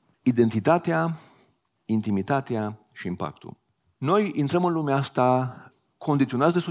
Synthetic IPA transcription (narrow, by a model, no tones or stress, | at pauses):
id̪e̞nt̪it̪at̪ea | int̪imit̪at̪ea | ʃiimpa̰k̚t̪ṵl | no̞jint̪ɾəmɨnlumeast̪a | kʰo̞nd̪it̪sionat̪sd̪esu